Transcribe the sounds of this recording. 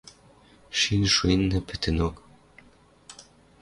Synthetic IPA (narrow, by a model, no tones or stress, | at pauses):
ʃinʃuenːɘ̆pɘ̆t̪ʰɘ̆nok